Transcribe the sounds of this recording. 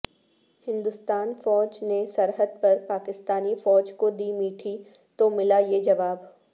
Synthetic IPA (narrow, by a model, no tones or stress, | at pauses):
hɪ̃nd̪ʊst̪aːnfɔːd͡ʒnesɐɾɦəd̪̚pɐɾpaːkɪst̪aːnifɔːd͡ʒkod̪iːmiːʈʰi | t̪omɪlajed͡ʒɐʋaːb